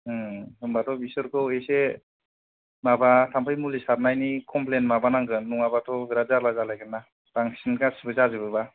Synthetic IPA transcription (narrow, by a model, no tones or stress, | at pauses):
hɯŋbatʰɔbisɯɾkʰɯwese | mabatʰampʰɯjmulisaɾnajnikʰɔmplenmabanaŋɡɯnːuŋabatʰɔbiɾazaɾlazalajkʰɯnːa | taŋsinkasibɯzazɯbɯba